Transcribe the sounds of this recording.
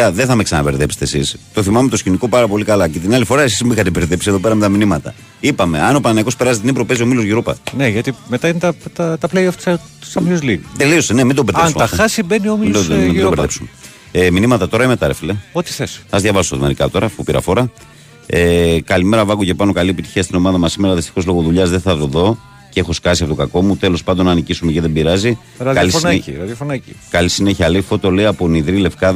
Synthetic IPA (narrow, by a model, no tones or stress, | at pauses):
ɐðeθɐme̞ksɐnɐpe̞ɾðepse̥t̪esḭst̪o̞θimɐme̞t̪osçiniko̞pɐɾɐpo̞likɐlɐce̞t̪inɐlifo̞ɾɐesizmixɐt̪epeɾðepsie̞ðo̞peɾɐmet̪ɐminimɐt̪ɐ̰ | ipɐme̞ɐnopɐnɐnɐiko̞speɾɐzit̪inibpɾope̞zio̞milozʝiɾupɐ̰neʝɐt̪imet̪ɐinet̪ɐt̪ɐt̪ɐpleiɐft̪ɐ̥s | sɐmlizlit̪e̞lio̞sene̞mind̪obeɾðeɐnsumɐxɐsibeniomimomid̪beɾðepsu̥me | eminimɐt̪ɐt̪o̞ɾɐimet̪ɐɾefleot̪i̥θesɐzðʝɐvɐsosoðmeɾikɐt̪o̞ɾɐfupiɾɐ̰fo̞ɾɐ | ekɐlime̞ɾɐvɐɣoce̞pɐno̞kɐliepit̪i̥çiɐst̪ino̞mɐðɐmɐsime̞ɾɐðist̪i̥xo̞zloɣoðuʎɐzðeθɐðoðo̞ | cee̞xo̞skɐsiɐpot̪ɡɐko̞mut̪e̞lo̞spɐnd̪onɐːnicisumeceðebiɾɐzi | ɾɐkɐlisɾɐðjofonɐcikɐlisineçiɐlifo̞t̪ole̞iɐponiðɾile̞fkɐð